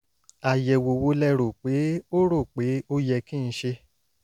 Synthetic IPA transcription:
a˨jɛ˨wo˨wo˧˦lɛ˧ɾo˨k͡pe˨˦o˦ɾo˦˨k͡pe˨˦o˦jɛ˧kĩ˦˨ñ̩˧˦ʃe˧

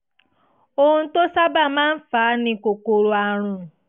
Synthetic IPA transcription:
o˦hũ˧˦to˦sa˦ba˦˨mãː˦n̩˦faː˨˦nĩ˧ko˨ko˧ɾo˧a˧ɾ̃ũ˨

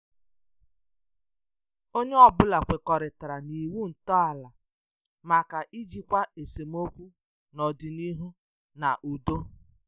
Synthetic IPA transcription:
o˦ɲe˦ɔ˨bʊ˦la˨kʷe˨kɔ˨ɾɪ˨ta˨ɾa˨ni˨wu˦n̩˨tɔ˦a˨la˨ | ma˨ka˨ʔi˦d͡ʒi˦kʷa˦e˨se˨m˦o˦kʷu˦ | nɔ˨dɪ˨ni˦ɦu˦ | na˨ʔu˨do˦

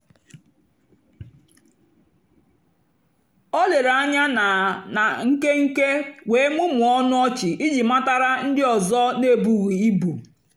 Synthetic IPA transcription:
ɔ˦le˨ɾa˨˦ɲa˦n˨na˨ŋ̩˦ke˦ŋ̩˦ke˦we˨e˦ŋu˦mʊ˨ɔ˦nʊ˦ɔ˦t͡ʃɪ˨ʔi˦d͡ʒi˨ma˦ta˦ɾa˦n̩˦dɪ˦ɔ˨zɔ˦ne˦˨bu˨ɣi˨i˦bu˨

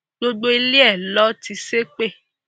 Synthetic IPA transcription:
ɡ͡bo˦ɡ͡bo˦i˧li˦ɛ˦˨lɔ˦ti˧se˦k͡pe˦˨

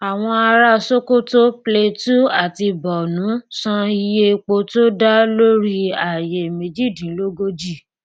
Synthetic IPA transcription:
a˨w̃ɔ̃˧a˧ɾa˦so˦ko˦to˦ple˧tu˦a˦˨ti˧bɔ˨nũ˨˦sã˧i˧je˦˧k͡po˧to˦da˦lo˦ɾi˦a˨je˨me˨˧d͡ʒi˦˨dĩ˨˦lo˦ɡo˦d͡ʒi˦˨

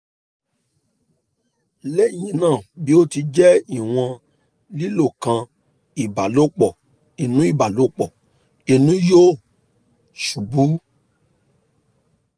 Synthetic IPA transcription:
lɛ˦˨ɲĩ˧nãː˦˨bi˨˦o˦ti˧d͡ʒɛ˦i˦˨w̃ɔ̃˧ | li˦lo˦˨kã˧ | i˨ba˨lo˦k͡pɔ˨ | e˨nũ˦i˦˨ba˨lo˨˦k͡pɔ˨ | e˨˧nũ˦jo˦˨ | ʃu˨bu˨˦

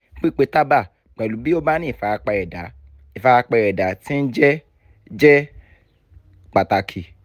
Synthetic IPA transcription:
k͡pi˦k͡pe˧ta˦ba˦˨ | k͡pɛ˨lu˨˦bi˦o˦ba˦nĩ˦˨fa˨˧k͡pɛ˧ɛ˨da˨ | i˨fa˧k͡pɛ˧ɾɛ˨da˨˦tĩ˦n̩˦d͡ʒɛ˦ | d͡ʒɛ˦ | k͡pa˨ta˧kʰi˨

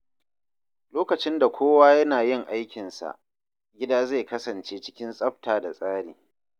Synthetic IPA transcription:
loː˦kɐ˨t͡ʃɪ˦nda˨kʷoː˦waː˦jɐ˦naː˨jɪ˦ŋʔa˦jkʲɪ˨nsa̰˨ʔ | ɡʲɪ˦daː˦ze˦˨kɐ˦sɐ˨nt͡ʃeː˦t͡ʃɪ˦kʲɪ˦nsʼɐ˦ɸtaː˨da˨sʼaː˦ɽiː˨

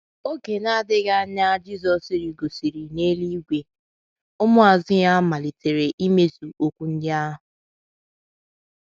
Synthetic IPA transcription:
o˦ke˨na˦˨dɪ˦ɡa˦ɲa˦d͡ʒi˦zɔ˨si˨ɾi˨ɡo˨si˨ɾi˨ne˦li˦ɡʷe˨ | ʊ˦mʊ˦a˨zɪ˦ja˦ma˨li˨te˨ɾe˨ʔi˦me˦zu˨o˦kʷu˦n̩˦dɪ˦a˦ɦʊ˨

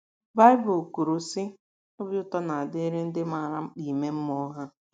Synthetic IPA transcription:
ba˦ɪ˦bʊ˨ku˨ɾu˨sɪ˦ | ʊ˦bʊ˦tɔ˦na˨a˨dɪ˦ɾɪ˦n̩˦dɪ˦ma˨ɾa˦i˨me˦m̩˦mɔ˦ɦa˦

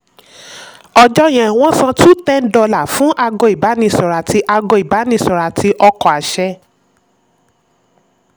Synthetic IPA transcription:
ɔ˧d͡ʒɔ˦j̃ɛ̃˨w̃ɔ̃˦sã˧tu˦tɛ̃˦n˦dɔ˧la˦˨fũ˨˦ʔa˧ɡɔ̃˧˨i˨ba˨˦nĩ˧sɔ˨ɾa˨ti˧˦ʔa˧ɡɔ̃˧˨i˨ba˨˦nĩ˧sɔ˨ɾa˨ti˧ʔɔ˧kɔ˨a˨ʃɛ˧˦

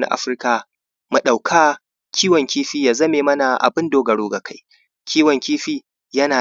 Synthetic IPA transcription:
na̰˦ʔa̰˦ɸɪ˦rkaː˨ | mu˨ɗa˨wkʰaː˦ | kʲiː˦wɔ˨ŋkʲiː˦ɸiː˦jaː˨zɐ˦meː˨mɐ˦na˨ʔa̰˨bɪ˦ndoː˦ɡɐ˨ɽoː˦ɡa˨ka˦j | kʲʰiː˦wɐ˨ŋkʲiː˦ɸiː˦ | jɐ˦naː˨

